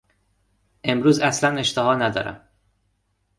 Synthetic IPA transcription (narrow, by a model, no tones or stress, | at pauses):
ʔe̞mɾuːzæslæne̞ʃt̪eɦɒːnæd̪ɒ̰ːɾæ̰m